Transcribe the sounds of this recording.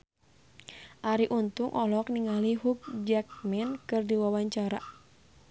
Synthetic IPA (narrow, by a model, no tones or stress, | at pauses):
ʔaɾiʔunt̪uŋʔɔlɔk̚niŋaliɦuk̚d͡ʒak̚mɛnkɨrdiwawaɲt͡ʃaɾa̰